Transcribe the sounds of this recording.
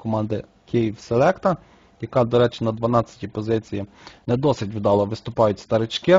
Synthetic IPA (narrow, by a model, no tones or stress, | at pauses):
kɔmɑnd̪ɪ | kʲijiwselˠɛkt̪ɐ | jɐkɑd̪ɔɾɛt͡ʃɪnɐd̪ʋɐnɑt͡sʲːɐ̥tʲipɔzɪt͡sʲiji | nɛd̪ɔsɪtʲʋɪd̪ɑlˠɐʋɪst̪ʊpɑjʊtʲst̪ɐɾɪt͡ʃkɪ